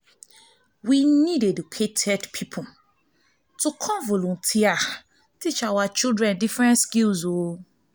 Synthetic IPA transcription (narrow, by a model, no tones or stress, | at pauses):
winĩdedukʰetʰɛdpʰipʰu | tukʰɔ̃nvɔlũntʰia | tit͡ʃawat͡ʃildɹɛ̃ndifɹɛ̃ntskilzo